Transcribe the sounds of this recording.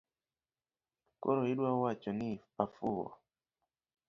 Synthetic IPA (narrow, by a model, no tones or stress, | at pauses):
kɔɾɔiɗwawat͡ʃɔniafuwa̰